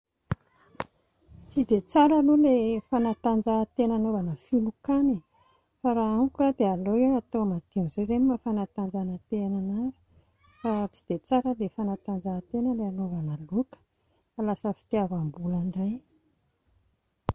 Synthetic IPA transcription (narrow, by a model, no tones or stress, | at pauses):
t͡sid̪et͡saɾalulefanat̪and͡zat̪enanovanəfilukani | faɾaamkad̪ealoewat̪oamad̪̥imzejzemimafanat̪and͡zanət̪enanaɾi̥ | fat͡sid̪̥et͡saɾəlefanat̪and͡zat̪enəleanovanəlukə̥ | alasəfi̥t̪iavambulaɳɖ͡ʐaj